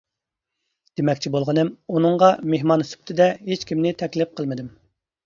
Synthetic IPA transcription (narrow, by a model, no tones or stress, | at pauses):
d̪̥emɛkʲt͡ʃʰibolˠʁənɨmunɨŋʁɑmeɦmɑnsy̥p̚t̪ʰɪd̪ɛɦet͡ʃkʲimnɪt̪ʰɛkʲlɪp̚qʰəlˠmɪd̪ɪm